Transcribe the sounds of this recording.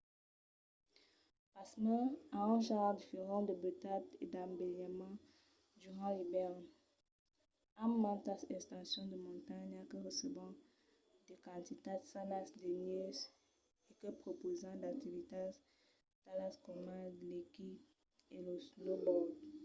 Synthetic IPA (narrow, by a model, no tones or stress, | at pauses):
pasmɛaɛ̃ʒãʁd̪ifeʁɑ̃d̪əbøt̪ad̪ed̪ãbeljamɑ̃ | d̪yʁɑ̃lebɛʁn | ammãt̪asɛ̃st̪ɑ̃sjɔ̃d̪əmɔ̃nt̪aɲakəʁəsəvɑ̃ | d̪ekɑ̃t̪it̪adsanasd̪enøz | ekəpχopozɑ̃d̪ak̚t̪ivit̪as | t̪alaskɔmadleki | eloslobɔd